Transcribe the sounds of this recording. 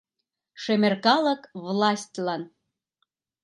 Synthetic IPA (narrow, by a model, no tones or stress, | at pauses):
ʃemʲerkɑlə̆kvlˠɑsʲtʲlɑn